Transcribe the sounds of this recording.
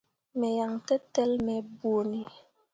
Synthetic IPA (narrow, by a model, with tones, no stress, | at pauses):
mɛ˨ja˨ŋtɛ˦tɛ˦lmɛ˨bo˨ni˨